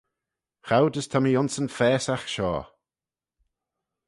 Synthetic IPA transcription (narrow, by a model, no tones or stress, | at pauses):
xawd̪əst̪ʰamiʊnsənfɛːsaxʃɔ̰ː